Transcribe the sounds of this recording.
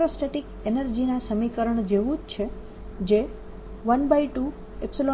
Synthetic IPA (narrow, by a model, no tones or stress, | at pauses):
ɾosʈeʈikenəɾd͡ʒinasəmikəɾəɳd͡ʒeʋũd͡ʒt͡ʃʰe | d͡ʒe | ʋənbaiʈu | epsilo